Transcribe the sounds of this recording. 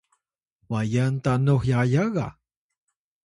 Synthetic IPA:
wajant̪anoχjajɑɢɑ̰

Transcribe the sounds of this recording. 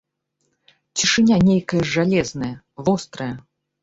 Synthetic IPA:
t͡sʲiʂɨnʲanʲejkɐjɐalʲɛznɐjɐ | vɔst̪ɾɐjɐ

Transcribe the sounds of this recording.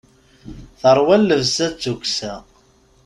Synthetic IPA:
θəɾˤwælːəvsæt͡sːukʷsæ

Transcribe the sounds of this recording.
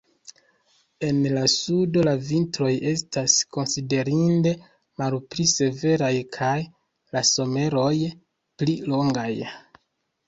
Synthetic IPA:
e̞nlasudo̞lavintɾo̞je̞stasko̞nside̞ɾinde̞ | malplise̞ve̞ɾajkʰaj | laso̞me̞ɾo̞j | plilo̞ŋɡaj

